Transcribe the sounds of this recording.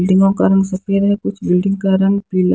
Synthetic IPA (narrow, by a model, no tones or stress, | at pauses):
lɖɪ̃ŋɡõkaɾɐ̃ŋɡsɐkeɾɦɛkʊt͡ʃʰbɪlɖɪ̃ŋɡkaɾɐ̃ŋɡpiːl